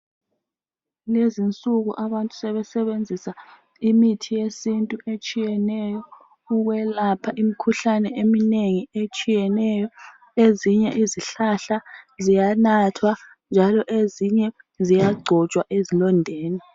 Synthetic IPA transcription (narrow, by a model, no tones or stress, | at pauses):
lezint͡sʼuɣṵʔaβantʼu̥sɛβɛsɛβend͡zʱisa | imitʰijesintʼuʔet͡ʃʼijɛnɛjɔ | uɣwɛlapʰaʔimikʰuɬanɛemineŋiet͡ʃʼijɛnɛjɔ | eziɲɛʔiziɬaɬazijanatʰwa | nd͡ʒʱalɔʔeziɲɛ | zijaɡ͡ǀʱɔt͡ʃʼwaʔezilɔndʱeːni